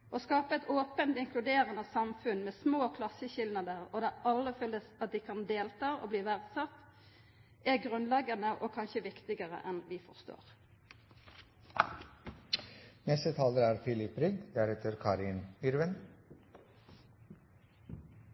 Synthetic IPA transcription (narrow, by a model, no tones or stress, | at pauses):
ʔoskɑːpəɛt̪oːpənt̪ɪŋklʉd̪eːʁənəsɑmfʉnmeːsmoːkʰlɑsːəçɪlnɑd̪əʁod̪ɛʔɑlːəfœlːəsɑt̪̚d̪iːkʰɑnd̪eːlt̪ɑːʔo̰bliːʋæʁd̪sɑt̪ | æɡʁʉnlɛɡənəʔɔkʰɑnʃəʋɪkt̪ɪɡəʁə̰ʔɛnʋɪfɔʁst̪o̰ːʁ | nɛst̪ət̪ʰɑːləɾæːɾfɪlɪpːɾʏɡ̚d̪d̪æɾheːt̪ʰəɾkʰɑːɾɪnyɾʋən